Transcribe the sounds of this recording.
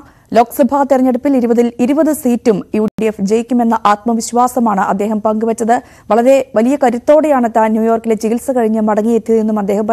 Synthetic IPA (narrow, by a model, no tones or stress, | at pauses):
lo̞ːksɐbʱaːt̪irɐɲːeɽupːiliɾubɐðiliɾubɐðɨsiːtːumjuːɖiefd͡ʑejikʲːume̞nːɐʔaːt̪mɐʋiɕʋaːsɐmaːɳɨʔɐd̪ːe̞ːɦɐmpɐŋɡɨʋɐt͡ɕːɐðɨ | ʋɐɭɐɾe̞ʋɐlijɐkɐɾut̪ːoːɽejaːɳɨt̪aːnnjuːjo̞ːrkile̞t͡ɕiɡisɐkɐɻiɲːɨmɐɽɐŋːijet̪ːjɐðe̞nːumɐd̪ːe̞ːhɐmɐ